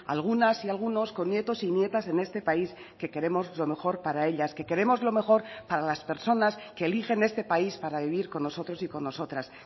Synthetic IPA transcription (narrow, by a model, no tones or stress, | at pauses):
a̰lɣ̞unasialɣ̞uno̞sko̞nːje̞t̪o̞sinje̞t̪ase̞ne̞st̪e̞pais | ke̞ke̞ɾe̞mo̞zlo̞me̞xo̞ɾpaɾae̞ʎaske̞ke̞ɾe̞mo̞zlo̞me̞xo̞ɾpaɾalaspe̞ɾso̞naske̞ːlixe̞ne̞st̪e̞paispaɾaβiβ̞iɾko̞nːo̞so̞t̪ɾosiko̞nːo̞so̞t̪ɾas